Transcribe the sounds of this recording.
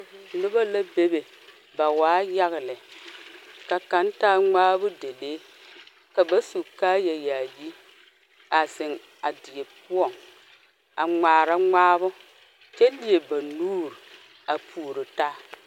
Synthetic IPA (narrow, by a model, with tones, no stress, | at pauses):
nʊ˦ba˦la˦be˦be˨ | ba˨waː˨˦ja˦ɣɪ˨lɪ˨ | ka˨ka˨ntaː˦ŋ͡maː˦bʊ˦de˨deː˦ | ka˨ba˦su˨kaː˦jɛ˨jaː˨ji˦ | a˨zɪ˨ŋ | a˨dɪ˨e˨pʊ˦ɔ˨ŋ | a˨ŋ͡maː˨ɾa˦ŋaː˦bʊ˦ | t͡ʃɛ˦li˨e˨ba˨nuː˦ɾɪ˨ | a˨pʰuː˨ɾɪ˨taː˦